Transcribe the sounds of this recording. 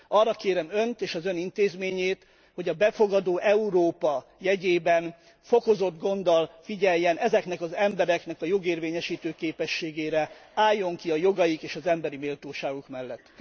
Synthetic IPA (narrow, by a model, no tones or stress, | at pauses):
ɒrːɒkeːɾɛmø̞nt̪eːʃɒzø̞nint̪eːzmeːɲeːt̪ | ho̞ɟɒbɛfo̞ɡɒd̪oːʔɛuɾoːpɒjɛɟeːbɛn | fo̞ko̞zo̞d̪ɡo̞nd̪ɒlfiɟɛjjːɛnɛzɛknɛkɒzɛmbɛɾɛknɛkɒjo̞ɡeːrveːɲɛʃiːt̪øːkeːpɛʃːeːɡeːɾɛaːjːo̞ŋkiɒjo̞ɡɒjikeːʃɒzɛmbɛɾimeːlt̪oːʃaːɡukmɛlːɛt̪ː